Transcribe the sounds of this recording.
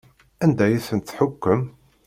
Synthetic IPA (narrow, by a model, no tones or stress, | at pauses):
ænd̪æjæsənt̪θħʊkːəm